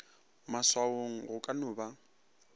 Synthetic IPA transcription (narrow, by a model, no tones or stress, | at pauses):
maswaoŋ̩ɣʊkʼanʊːba